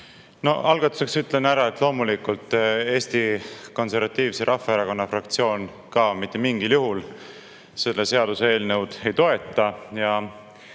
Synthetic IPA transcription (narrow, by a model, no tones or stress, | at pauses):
no̞̰ɑlɡ̥ɑt̪ːˑu̥se̞ksyt̪ːˑle̞næɾɑe̞t̪ːˑlo̞ːmulikult̪ːˑe̞ːst̪iko̞nse̞ɾvɑt̪ːˑiːvseɾʔɑfːɑeɾɑko̞nːɑfrɑkt̪sio̞ːn | kɑmit̪ˑːe̞miŋɡ̥iljuɦul | se̞lːese̞ɑd̪̥usee̞ːlne̞wd̪̥e̞jt̪o̞e̞t̪ːˑɑjɑ